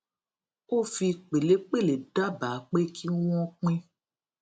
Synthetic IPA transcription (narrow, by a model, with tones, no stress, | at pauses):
o˦fi˧k͡pe˨le˨˦k͡pe˦˨le˨ɖa˦ba˨˦k͡pe˦kʰi˦w̃ɔ̃˦k͡pĩ˦